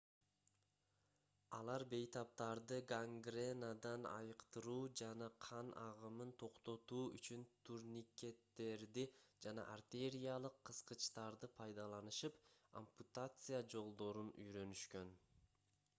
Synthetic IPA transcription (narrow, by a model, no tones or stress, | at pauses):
ɑlˠɑɾbe̞jt̪ɑp̚t̪ɑɾd̪ɯɡaŋɡrenad̪ɑnɑ̰jɯqt̪ɯɾuːd͡ʒɑnɑqʰɑnɑʁɯmɯnt̪ʰo̞qt̪o̞t̪uːy̰t͡ʃynt̪ʰuɾnʲikʲe̞t̪ːe̞ɾd̪id͡ʒɑnɑ̰ʔart̪ʲe̞ɾʲijalˠɯqʰːɯsqɯt͡ʃt̪ɑɾd̪ɯpʰɑjd̪ɑlˠɑnɯʃɯpo̰mput̪at̪sɨjad͡ʒo̞lˠd̪o̞ɾuny̰jɾø̞nyʃkø̞n